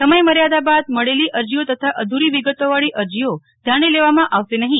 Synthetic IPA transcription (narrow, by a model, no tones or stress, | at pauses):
səməjməɾjad̪abad̪̚məɭeliʔəɾd͡ʒijot̪ət̪ʰaʔəd̪ʱuɾiʋiɡət̪oʋaɭiʔəɾd͡ʒijo | d̪ʱjañileʋamãʔaʋʃenəɦĩ